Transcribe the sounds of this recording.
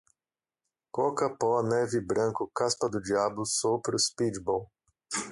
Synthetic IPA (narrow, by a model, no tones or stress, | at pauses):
kokɐpɔnɛvɪbɾɐ̃ŋkʊkaspɐd̪ʊd͡ʒiabʊsopɾʊspit͡ʃbɔw